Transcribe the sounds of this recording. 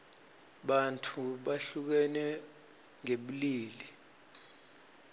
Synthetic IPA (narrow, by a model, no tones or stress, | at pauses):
ɓantʰuɓaɬuk̬ɛnɛ | ŋeɓuliːli